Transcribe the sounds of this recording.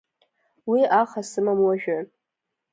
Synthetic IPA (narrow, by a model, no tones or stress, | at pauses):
wiʔaχasɨmamwaʒᶣɨ